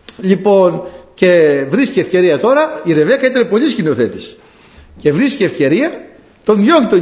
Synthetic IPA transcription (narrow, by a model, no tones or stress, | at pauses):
ʎipo̞nce̞vɾisceefce̞ɾiɐt̪o̞ɾɐiɾe̞vekɐit̪enepo̞liscino̞θe̞t̪i̥s | ce̞vɾiscefce̞ɾiɐ | t̪o̞njoŋt̪o